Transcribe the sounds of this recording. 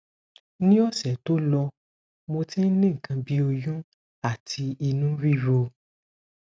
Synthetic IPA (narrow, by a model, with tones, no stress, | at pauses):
nĩ˦ɔ˦˨sɛ˨to˦lɔ˧ | mo˧tĩ˦n˦nĩ˦˨kʰã˧bi˦o˧jũ˦ | a˦˨tʰi˧i˧nũ˦ɾi˦ɾo˧